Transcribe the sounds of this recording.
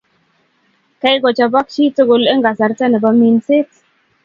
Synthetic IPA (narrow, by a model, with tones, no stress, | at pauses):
ka˦jɡɔ˨t͡ʃa˨ba˦k̚t͡ʃi˦to˦ɡo˨lɛ˦ŋɡa˨sa˨ɾtɛ˦nɛ˨ba˨mi˨nsɪ˦t